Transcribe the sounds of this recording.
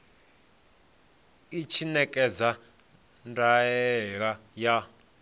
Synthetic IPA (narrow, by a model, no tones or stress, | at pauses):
it͡ʃʰinɛkʼɛd͡za | ndʱaɛɺaja